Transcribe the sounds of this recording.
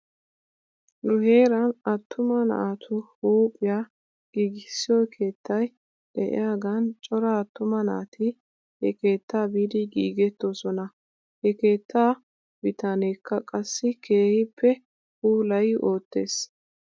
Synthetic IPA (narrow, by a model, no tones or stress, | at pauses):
nʊhe̞ːɾɐnɐt̪ʰːʊmɐnɐ̰aːt̪ʰʊhuːpʼːɪja | ɡ̥iːɡɪsːɪjɔjkʰe̞ːt̪ʰːɐj | d̥ɛʔɪ̰jaːɡɐnt͡ʃʼɔɾɐːt̪ːʊmɐnɐ̰ːt̪ʰɪ | hɛke̞ːt̪ʰːaːbiːd̪ɪɡiːɡɛt̪ːosɔnɐ | hɛke̞ːt̪ːaː | b̥ɪt̪aneːkʰːɐkʼɐsːɪkʰe̞ːhɪpʰːɛ | huːlɐjʔo̞ːt̪ːe̞ːs